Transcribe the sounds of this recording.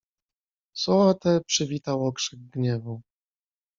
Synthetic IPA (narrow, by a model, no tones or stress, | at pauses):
sɔat̪ɛpʂɘvʲit̪awɔkʂɛɡɡɲɛvu